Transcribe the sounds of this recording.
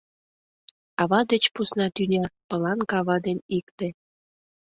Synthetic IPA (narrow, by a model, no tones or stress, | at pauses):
ɑβɑd̪et͡ɕpusnɑt̪ynʲɑpə̆lɑnkɑβɑd̪enikt̪ĕ